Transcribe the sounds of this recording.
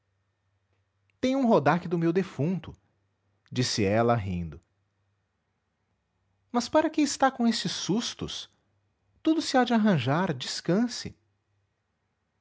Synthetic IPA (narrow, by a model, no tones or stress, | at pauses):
t̪ẽj̃ʊũɦod̪akɪd̪ʊmewd̪efũnt̪ʊ | d͡ʒisɪɛlɐɦḭ̃nd̪ʊ | mɐspaɾɐkɪɪst̪akõest͡ʃɪsːust̪ʊ̰s | t̪ud̪ʊsɪad͡ʒɪaɦɐ̃ʒaɾd͡ʒiskɐ̃sɪ̰